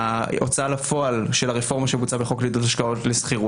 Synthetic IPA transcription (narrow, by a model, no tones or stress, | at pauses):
aot͡salafo̞alʃe̞laʁefo̞ʁmaʃemut͡sabeχo̞klid̪otaʃkao̞tlesχiʁu